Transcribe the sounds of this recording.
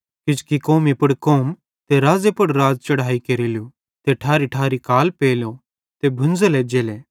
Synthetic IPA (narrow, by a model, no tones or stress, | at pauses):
kɪd͡ʒkikoːmipɐɽkoːm | t̪eɾaːzepɐɽɾaːd͡ʒt͡ʃɐɽaːikɐɾilju | t̪eʈʰaːɾiʈʰaːɾikaːlpeːlo | t̪ebʱʊ̃nd͡zeled͡ʒeːleː